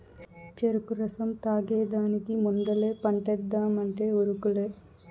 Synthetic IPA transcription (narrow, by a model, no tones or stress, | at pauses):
t͡ʃeɾukuɾɐsɐmt̪aːɡeːd̪aːnikimund̪ɐle̞ːpɐɳʈɛd̪ːaːmɐɳʈeːuɾukuleː